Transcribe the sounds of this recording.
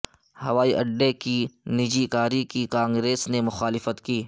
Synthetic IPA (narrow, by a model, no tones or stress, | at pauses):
hɐʋaːiʔɐɖːekinɪd͡ʒikaːɾikikãːŋɡɾeːsnemʊxaːlɪfət̪kiː